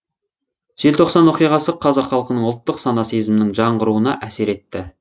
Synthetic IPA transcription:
ʒ̥e̞lt̪ʰo̞qsɑnwo̞qijʁɑsəqʰɑzɑqχːɑlˠqənəɴʊlˠt̪ːəqsɑnɑsijzɪmɪnɪŋʒɑɴʁəɾuənɑ̰ʔæse̞ɾe̞t̪ːɪ

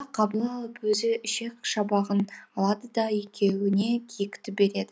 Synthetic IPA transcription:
qʰɑbəlˠɑlˠəpwɵzɪʃe̞k̚ʃɑbɑʁənɑlˠɑd̪əd̪ɑje̞kʲʰe̞wɪne̞kʲʰijɪkʲt̪ɪp̚be̞ɾe̞d̪ɪ

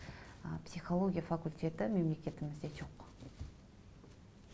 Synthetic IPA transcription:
psijχolˠo̞ɡʲijafakulʲtʲe̞t̪ɪme̞mle̞kʲe̞t̪ɪmɪzd̪e̞ʒo̞q

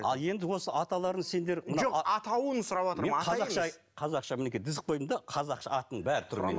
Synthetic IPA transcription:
ɑ̰lˠje̞nd̪ɪwo̞səɑt̪ɑlˠɑɾd̪əɴse̞nd̪e̞ɾmənʒoqɑt̪ɑwənəsʊɾɑpwot̪əmɾeɑɑʃɑj | qʰɑzɑqʃɑmɪne̞kʲijd̪ɪzɪk̚bojəmd̪ɑqʰɑzɑqʃɑɑt̪ənəɴbæɾɪt̪ʰʊɾmḛn

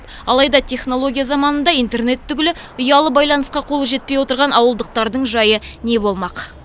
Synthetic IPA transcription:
p | ɑ̰lˠɑjd̪ɑt̪ʰʲe̞χno̞lˠo̞ɡʲijazɑmɑnənd̪ɑijnt̪e̞rne̞t̪ʰːʏɡʲɪlɪʊjɑlˠəbɑjlˠɑnəsqɑqʰo̞lˠʒe̞t̪̚pejwo̞t̪əɾʁɑnɑwəlˠd̪əq̚t̪ɑɾd̪əɴʒɑjəne̞bo̞lˠmɑq

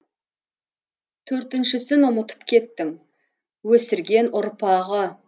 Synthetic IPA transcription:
t̪ʰɵɾt̪ɪnʃɪsɪnʊmət̪ə̥pkʲʰe̞t̪ːɪŋ | wɵsɪɾɡʲe̞nʊɾpɑʁə

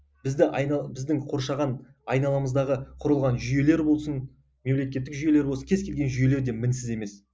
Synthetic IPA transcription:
bɪzd̪ɪʔɑj̪bɪzd̪ɪŋqʰo̞ɾʃɑʁɑn | ɑjnɑlˠɑməzd̪ɑʁəqʰʊɾəlˠʁɑnʒʏje̞le̞ɾbo̞lˠsən | me̞mle̞kʲe̞t̪ːɪkʒʏje̞le̞ɾbosənkʰʲezkʲʰe̞lɡʲe̞nʒʏje̞leɾd̪e̞mɪnsɪze̞me̞s

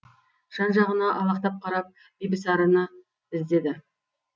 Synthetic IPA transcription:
ʒ̥ɑnʒɑʁənɑʔɑlˠɑqt̪ɑp̚qʰɑɾɑp̚ | b̥ijbɪsɑɾənə | ɪzd̪e̞d̪ɪ

